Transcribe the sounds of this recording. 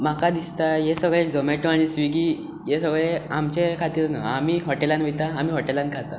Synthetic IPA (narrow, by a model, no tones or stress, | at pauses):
makad̪ist̪ajesəɡɭed͡zɔmeʈõaɽ̃isʋiɡiː | jesəɡɭeamt͡ɕekʰat̪iːɾna̰amiːɦɔʈelanʋit̪aːmiːɦɔʈelankʰat̪a